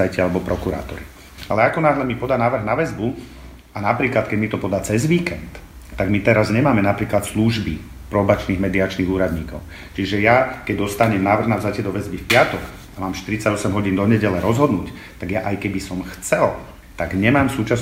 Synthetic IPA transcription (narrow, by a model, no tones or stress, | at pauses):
ajcɛalɛbɔpɾɔkuɾa̰ːt̪ɔ̰ɾi | alɛakɔnaːɦlɛmipɔd̪anaːʋr̩ɣnaʋɛzbu | anapɾiːklat̪kɛɟmit̪ɔpɔd̪at͡sɛzʋiːkɛnt̪ː | aɡmit̪ɛɾazɲɛmaːmɛnapɾiːklat̪sluʒbi | pɾɔbat͡ʃniːɣmɛd̪iat͡ʃniːɣuːɾad̪ɲiːkɔʊ | t͡ʃiʒɛjakɛɟd̪ɔst̪aɲɛmnaːʋr̩ɣnavzacɛd̪ɔʋɛzbifpɪat̪ɔk | amaːmʃt̪iɾit͡saɟɔsɛmɦɔɟiːnd̪ɔɲɛɟɛlɛɾɔzɦɔd̪nuːc | t̪aɡjaʔajkɛbisɔmxt͡sɛl | t̪aɡɲɛmaːmsuːt͡ʃas